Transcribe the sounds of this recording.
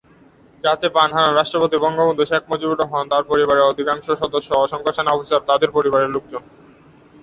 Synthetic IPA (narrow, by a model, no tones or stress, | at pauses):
d͡ʑat̪epanɦaɾanɾaʃʈɾopot̪ibɔŋɡobond̪ʱuʃekʰmod͡ʑibuʈoɦɔnt̪aɾpoɾiβaɾeod̪ʱikaŋʃoʃɔd̪oʃːoɔʃɔŋkʰoʃanɔpisaɾt̪ad̪eɾpoɾiβaɾeluk̚d͡ʑon